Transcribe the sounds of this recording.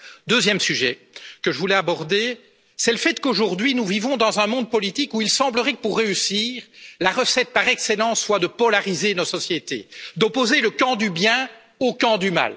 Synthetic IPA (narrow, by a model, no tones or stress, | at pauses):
d̪øzjɛmsyʒɛ | kəʒəvulɛabɔʁd̪e | sɛləfɛt̪koʒuʁd̪ɥinuvivɔ̃d̪ɑ̃zɛ̃mɔ̃d̪̚pɔlit̪ikuilsɑ̃bləʁɛkə̥puʁːeysiːʁlaʁəsɛt̪̚paʁɛkselɑ̃ːsːwad̪əpɔlaʁizenɔsɔsjet̪ḛd̪ɔpozeləkɑ̃d̪ybjɛ̃ | okɑ̃d̪yma̰l